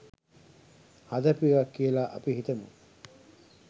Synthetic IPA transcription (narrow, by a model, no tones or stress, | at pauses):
hɐd̪ɐpiʋɐkːielaːʔɐ̰piɦit̪ɐmṵŋ